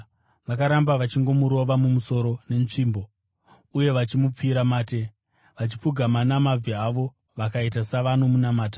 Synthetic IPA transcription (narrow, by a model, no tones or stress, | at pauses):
ʋakaɾambaʋat͡ʃiŋɡo̞muɾo̞ʋamumuso̞ɾo̞ne̞nʐiːmbo̞ | uje̞ʋat͡ʃimup͡fiɾamaːte̞ | ʋat͡ʃi̥p͡fuɡʱamanamab͡viaʋo̞ | ʋakaitasaʋanomunamaːtḁ